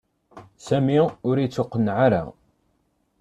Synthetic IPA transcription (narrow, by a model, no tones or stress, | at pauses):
sæmiʊɾit͡sːʊqːənʕaɾa̰